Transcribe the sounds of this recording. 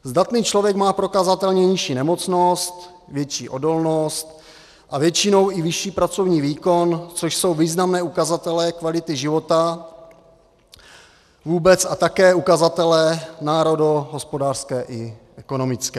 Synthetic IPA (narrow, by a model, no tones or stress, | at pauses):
zdat̪niːt͡ʃlovjɛkmaːpɾo̞kazat̪ɛlɲɛɲɪʃiːnɛmo̞t͡sno̞st̪ | vjɛt͡ʃiːʔo̞do̞lno̞st̪ | ʔavjɛt͡ʃɪno̞wʔɪvɪʃiːpɾat͡so̞vɲiːviːko̞nt͡soʃso̞wviːznamnɛːukazat̪ɛlɛkvalɪt̪ɪʒɪvo̞t̪a | vuːbɛt͡sat̪akɛːukazat̪ɛlɛnaːɾo̞doɦo̞spo̞daːr̥skɛːʔɪʔɛko̞no̞mɪt͡skɛː